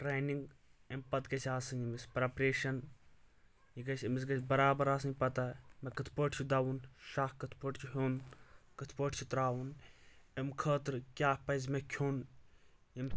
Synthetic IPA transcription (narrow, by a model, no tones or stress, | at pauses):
ʈɾeːniŋɡempɐt̪kɐsʰʲaːsɨnimispɾɐpɾeːʃɐn | jiɡɐt͡ʃʰʲimis̬ɡɐt͡ʃʲbɐɾaːbɐɾaːs̬ɨnʲpɐt̪aːmekɐt̪ʰpəːʈt͡ʃʰud̪awunʃaːkkɐt̪ʰpəːʈt͡ʃʰuɦoːnkət̪ʰpəːʈt͡ʃʰit̪ɾaːwunemkʰəːt̪ɾkʲaːpɐzmekʲʰoːn | jim